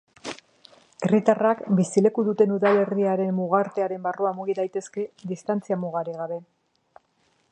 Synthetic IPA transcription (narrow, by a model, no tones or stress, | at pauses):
e̞rit̪arakbisile̞kuðut̪e̞nuðale̞riaɾe̞mːuɣ̞aɾt̪e̞aɾe̞mbaruamuɣiðajt̪e̞ske̞ðist̪ant͡siamuɣaɾiɣ̞aβe̞